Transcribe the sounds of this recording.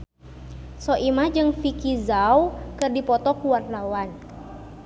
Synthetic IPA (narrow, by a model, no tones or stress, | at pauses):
sɔʔimad͡ʒɨŋfikizawkɨrdipɔt̪ɔkuwart̪awan